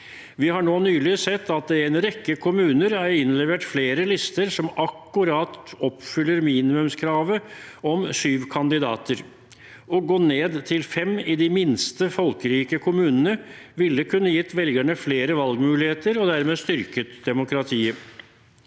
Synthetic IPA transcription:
ʋɪhɑɳoːnyːlɪsɛt̪ːɑt̪̚d̪ɛɛnɾɛkːəkʰʊmʉːnəɾæɪnlɛʋeːʈfleːɾəlɪst̪əɾsɔmɑkːʉɾɑt̪ɔpfʏlːəɾmiːnɪmʉmskʰɾɑːʋəɔmsyːʋkʰɑnd̪ɪd̪ɑ̰ːt̪ʰəɾ | ɔɡoːneːd̪t̪ʰɪlfɛmɪd̪ɪmɪnst̪əfɔlkəɾiːkəkʰʊmʉːnənə | ʋɪlːəkʰʉnːəjɪt̪ːʋɛlɡæɳəfleːɾəʋɑlɡmʉːlɪheːt̪əɾɔd̪æɾmeːst̪ʏɾkət̪d̪ɛmʊkɾɑt̪ʰiːə

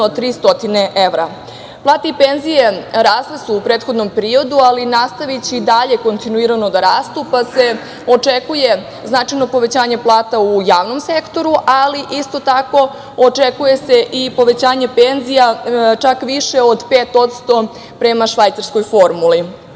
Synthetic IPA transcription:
ot̪ɾiːst̪o̞t̪ineʔeʋɾa | plˠaːt̪eipenzije̞ɾaːslˠesuːpɾeːt̪xo̞d̪no̞mpeɾio̞d̪ualinast̪aʋit͡ɕiːd̪aʎe̞ko̞nt̪inuiɾano̞d̪aɾaːst̪upase̞ | o̞t͡ʂekuje | znaʈ͡ʂajno̞po̞ʋe̞t͡ɕaːɲe̞plˠaːt̪aujaːʋno̞msekt̪o̞ɾuʔaliʔist̪o̞t̪ako̞ | ot͡ʂekuje̞seʔipo̞ʋe̞t͡ɕaːɲe̞penzijat͡ʃakʋiʃe̞o̞d̪peːt̪o̞t̪st̪o̞ | pɾe̞maʃʋajt̪saɾsko̞jfo̞ɾmuli

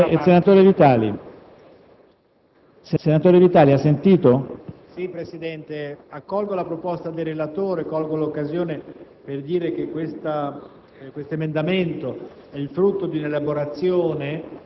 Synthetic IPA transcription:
esenat̪oːɾevit̪aːlḭ | sesenat̪oːɾevit̪aːliasːent̪iːt̪osipɾesid̪ɛnt̪eakːɔlɡolapɾopɔst̪ad̪erelat̪oːɾekɔlɡolokːazjoːne | perd̪iːɾekekːwest̪a | kwest̪oemend̪ament̪o | ɛilfɾut̪ːod̪iunelaboɾat̪sːjoːne

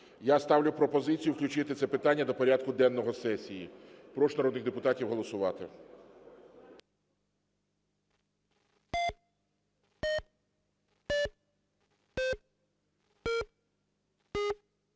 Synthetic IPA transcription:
jast̪ɑwlʲʊpɾɔpɔzɪt͡sʲijʊwklʲʊt͡ʃɪt̪ɪt̪sɛpɪt̪ɑnʲːɐd̪ɔpɔɾʲad̪̚kʊd̪ɛnːɔɦɔsɛsʲijipɾɔʃnɐɾɔd̪nɪxd̪epʊt̪ɑtʲiwɦɔlˠɔsʊʋɑt̪ɪ̰

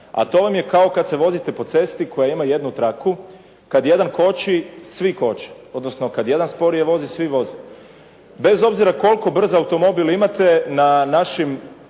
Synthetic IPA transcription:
a̰t̪o̞ʋamje̞kao̞kad̪seʋo̞zit̪e̞po̞t̪se̞st̪iko̞jaimaje̞d̪nut̪ɾaku | kad̪jed̪anko̞t͡ɕisʋiko̞t͡ɕi̥ | o̞d̪nosnokad̪je̞d̪anspo̞ɾijeʋo̞zisʋiʋo̞zi | be̞zo̞bziɾako̞lˠko̞br̩zaawt̪o̞mo̞bilimat̪e̞nanaʃim

